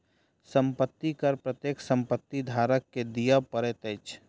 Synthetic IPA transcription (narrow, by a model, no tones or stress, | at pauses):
səmpət̪ːikəɾpɾət̪jeːksə̃mpət̪ːid̪ʱaːɾəkːed̪ijapəɾet̪eːt͡ʃ